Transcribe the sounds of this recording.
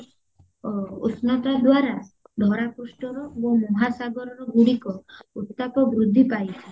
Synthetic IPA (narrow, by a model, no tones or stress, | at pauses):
osnat̪ad̪waɾa | ɖʱɔɾapusʈɔɾɔbomɔɦasaɡɔɾɔɾɔɡuɽikɔut̪ːakɔbɾud̪ʱːipajt͡ʃʰi